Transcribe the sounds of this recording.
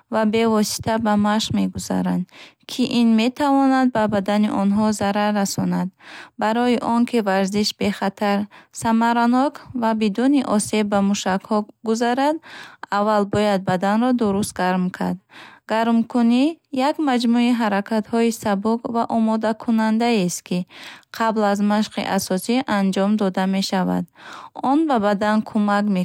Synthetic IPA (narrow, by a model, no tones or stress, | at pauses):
vabe̞vɔsi̥t̪ʰabamaʃme̞ɡuza̰ɾand̪kʰiʔinme̞t̪ʰavɔnad̪̚babad̪aniʔɔnɦɔzaɾaɾːasɔnad̪baɾɔjiʔɔŋkʰivaɾziʃbe̞χat̪ʰaɾsamaɾanɔkʰvabid̪uniʔɔse̞bːamuʃakhɔɡuzaɾad̪avːalbɔjad̪̚bad̪anɾɔd̪uɾust̪̚ɡaɾmkʰa̰ɾd̪ɡaɾmkʰunijakmad͡ʒmuiɦaɾakʰat̪hɔisabukvaʔɔmɔd̪akʰunand̪aest̪kʰiqʰablazmaʃqḭʔasɔsiʔand͡ʒɔmd̪ɔd̪ame̞ʃava̰d̪ɔnbabad̪ankʰumakme